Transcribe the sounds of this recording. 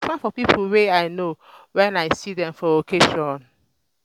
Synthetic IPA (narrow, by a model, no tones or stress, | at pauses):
fãnfɔpipʰl̩weaɪno | wɛ̃naɪsidɛ̃mfɔokʰeʃɔ̃n